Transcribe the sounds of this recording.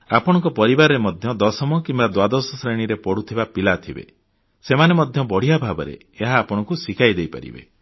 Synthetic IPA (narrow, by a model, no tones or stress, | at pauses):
apɔɽ̃ɔ̃ŋkɔpɔɾibaɾɔɾemɔd̪ʱjɔd̪ɔsɔmɔkimbad̪wad̪ɔsɔsɾeɽ̃iɾepɔɽut̪ʰibapilat̪ʰibḛ | semanemɔd̪ʱjɔbɔɽ̤ijabʱabɔɾḛːɦaːpɔɽ̃ɔ̃ŋkusikʰajd̪ejpa̰ɾḭbḛ